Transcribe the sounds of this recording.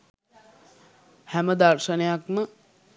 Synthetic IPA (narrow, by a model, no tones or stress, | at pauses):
hæməd̪arʃənejakmə